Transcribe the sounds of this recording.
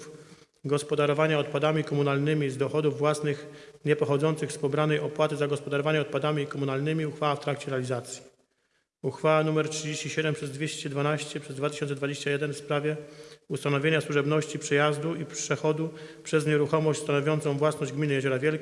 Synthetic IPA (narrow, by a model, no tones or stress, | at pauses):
f | ɡɔspɔd̪aɾɔvaɲaɔt̪̚pad̪amʲikɔmunalnɘmʲizd̪ɔxɔd̪uvːwasnɘxɲɛpɔxɔd̪zɔnt̪sɘxspɔbɾanɛjɔpwat̪ɘzaɡɔspɔd̪aɾɔvaɲɛɔt̪̚pad̪amʲikɔmunalnɘmʲiuxfawaft̪ɾakt͡ɕɛɾɛalʲizat̪sʲji̥ | uxfawanumɛɾtʂɨd͡ʑeɕt͡ɕiɕɛd̪ɛmpʂɛzd̪vʲeɕt͡ɕɛd̪vanaɕt͡ɕɛpʂɛzd̪vat̪ɘ̥ɕɔ̃nsɛd̪vad͡ʑeɕt͡ɕajɛd̪ɛnfspɾavʲjɛust̪anɔvʲeɲaswuʐɛbnɔɕt͡ɕipʂɛjazd̪uipʂɛxɔd̪upʂɛzɲɛɾuxɔmɔɕt͡ɕʲst̪anɔvʲjɔnt̪sɔ̃w̃vwasnɔʑd͡ʑɡmʲinɘjɛʑɔɾavʲjɛl